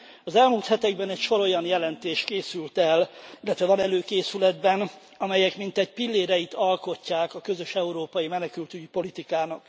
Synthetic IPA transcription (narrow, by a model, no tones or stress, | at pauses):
ɒzɛlmuːlt̪hɛt̪ɛɡbɛnɛcʃo̞ɾo̞jɒnjɛlɛnt̪eːʃkeːsylt̪ɛlilːɛt̪ʋɛvɒnɛløːkeːsylɛd̪bɛn | ɒmɛjɛkmint̪ɛɟpilːeːɾɛjit̪ɒlko̞cːaːkɒkø̞zø̞ʃɛuɾoːpɒjimɛnɛkylt̪yɟipo̞lit̪ikaːnɒk